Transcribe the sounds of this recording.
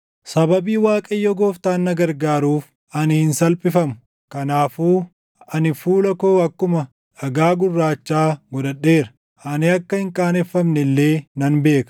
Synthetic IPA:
sɐbɐbiːwaːkʼɐjːɔɡoːft̪aːnːɐɡɐɾɡaːɾuːf | ɐnɪhɪnsɐlpʼɪfɐmʊ̥ | kɐnaːfuː | ɐnɪfuːlɐkoːɐkːʊmɐ | ʔɐɡaːɡʊrːaːt͡ʃːaːɡɔd̪ɐɗːe̞ːɾɐ̥ | ɐnɪɐkːɐhɪŋkʼaːnɛfːɐmnɛlːe̞ːnɐnbe̞ːkɐ̥

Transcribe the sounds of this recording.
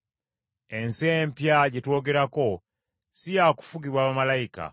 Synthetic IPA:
e̞nsempjaɟetwo̞ːɡe̞ɾako̞ | sijaku̥fuɡiβwaːβamalaika̰

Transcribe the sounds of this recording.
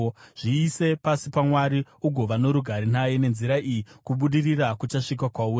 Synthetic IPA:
ʐ̥iːse̞pasipamwaɾi | uɡʱo̞ʋano̞ɾuɡʱaɾinaje̞ne̞nziɾaʔijikuɓuɗirirakut͡ʃaʂik̬akwaur

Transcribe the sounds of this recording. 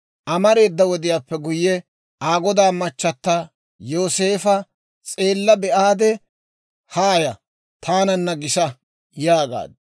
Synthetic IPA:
ʔɐmɐɾe̞ːd̪ːɐwɔd̪ɪjaːpːɛɡʊjːɛ | aːɡɔd̪aːmɐt͡ʃːɐt̪ːa | joːse̞ːfɐ | t͡sʼe̞ːlːɐbɛʔaːd̪ɛ | haːjɐ | t̪ʰaːnɐnːɐɡɪʃɐ | jaːɡa̰ːd̪̚

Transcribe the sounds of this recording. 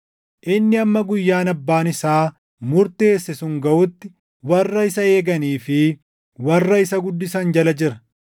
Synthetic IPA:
ʔɪnːɪɐmːɐɡʊjːaːnɐbːaːnɪsaː | mʊɾt̪eːsːɛsʊŋɡɐʔʊt̪ːɪ | wɐrːɐɪsɐe̞ːɡɐniːfɪ | wɐrːɐɪsɐɡʊd̪ːɪsɐnd͡ʒɐlɐd͡ʒɪɾɐ̥

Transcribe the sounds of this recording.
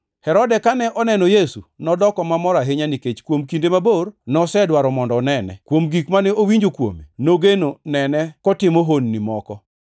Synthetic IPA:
hɛɾɔdɛkanɛʔɔnɛnɔjesunɔdɔkɔmamɔɾaɦɪɲaniket͡ʃkwomkindemabornɔsɛdwaɾɔmɔndɔːnɛnɛ̰kwomɡikmanɛowiɲd͡ʒokwo̰mḛnoɡenonɛnɛkɔtɪmoɦonːimɔkɔ

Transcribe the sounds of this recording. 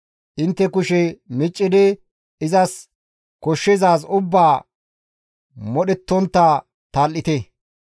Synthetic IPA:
ʔɪnt̪ːɛkʊʃɛmɪt͡ʃʼːɪd̪ɛ | ɪzɐs | kɔʃːɛzaːsʊbːaː | mɔɗɛt̪ːɔnt̪ːa | t̪aːlːɪt̪ɛ

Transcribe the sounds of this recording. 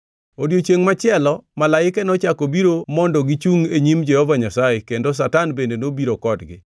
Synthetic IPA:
odjot͡ʃeŋmat͡ʃɪɛlɔmalaɪkɛnɔt͡ʃakobiɾomɔndɔɡɪt͡ʃuŋeɲimd͡ʒɛhɔvaɲasaekendos̬atanbendenobiɾokɔdɡɪ̰

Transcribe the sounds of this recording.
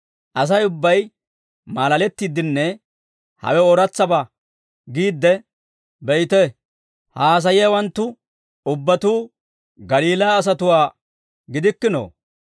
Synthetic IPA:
ʔɐs̬ɐjʊbːɐj | maːlɐlɛt̪ːid̪ɪnːɛ | hɐ̰wɛɔɾɐt͡sːɐbɐ | ɡiːd̪ːɛ | bɛjt̪ɛ | haːs̬ɐjɪjɐwɐnt̪ːʊ | ʊbːɐt̪uː | ɡɐliːlaːs̬ɐt̪ʊwaː | ɡɪd̪ɪkːɪno̰ː

